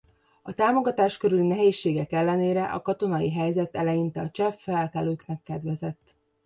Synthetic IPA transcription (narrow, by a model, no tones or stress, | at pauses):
ɒt̪aːmo̞ɡɒt̪aːʃkø̞ɾylinɛɦeːʃːeːɡɛkɛlːɛneːɾɛʔɒ̰kɒt̪o̞nɒjiɦɛjzɛt̪ɛlɛjint̪ɛɒt͡ʃɛfːɛlkɛløːknɛkːɛd̪ʋɛzɛt̪ː